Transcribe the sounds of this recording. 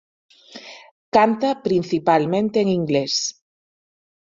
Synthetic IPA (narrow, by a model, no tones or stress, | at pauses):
kant̪apɾinθipalmẽnt̪eeŋiŋɡles